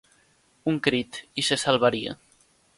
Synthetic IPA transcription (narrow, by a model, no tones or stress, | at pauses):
uŋkɾit̪isesalˠβaɾia̰